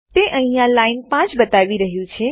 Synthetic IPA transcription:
t̪eʔəɦĩjãlainpãt͡ʃbət̪aʋiɾəɦjũt͡ʃʰe

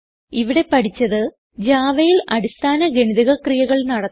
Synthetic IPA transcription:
iʋiɽe̞pɐʈʰit͡ɕːɐðɨ | d͡ʑaːʋɐjilɐɽist̪ʰaːnɐɡeɳiðiɣɐkrijɐɣɐɭnɐɽɐ

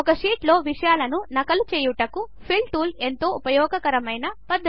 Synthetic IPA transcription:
ɔkɐʂiːʈlo̞ːʋiʂɐjaːlɐnunɐkɐlut͡ʃeːjuʈɐku | pʰilʈuːle̞nt̪o̞ːʔupɐjɔːɡɐkɐɾɐmɐjnɐpɐd̪ːɐ

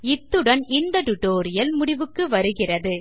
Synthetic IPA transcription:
ɪt̪ːɯɽɐnɪnd̪ɐʈʊʈoːɾɪjɐlmʊɽɪʋɯkːɯʋɐɾɯɣɪrɐðɯ

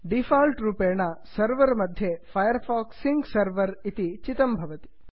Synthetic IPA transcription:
ɖifalʈɾupenasəɾʋəɾmɐd̪ʱːjefajəɾfɔksiŋɡsəɾʋəɾit̪it͡ʃɪt̪əmbʱɐʋət̪i̥

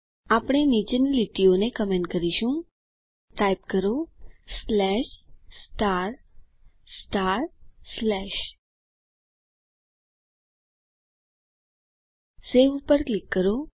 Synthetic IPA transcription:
apɽ̃enid͡ʒənliʈionekəmẽɳʈkəɾiʃũ | ʈajp̚kəɾoslɛʃsʈaɾ | sʈaɾslɛʃ | seʋupəɾklikːəɾo

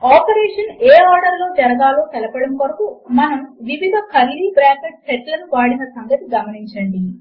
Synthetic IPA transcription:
aːpɐɾɛːʂɐneːaːɾɖɐɾloːt̪ɛɾɐɡ̪aːloːt̪ɛlɐpɐɽɐmkoɾɐkumɐnɐmʋiʋid̪ʱɐkʰɐɾlːibɾaːkeʈ̚sɛʈlɐnuʋaːɽinɐsɐŋɡɐt̪iɡɐmɐniɲt͡ʃɐɳɖi

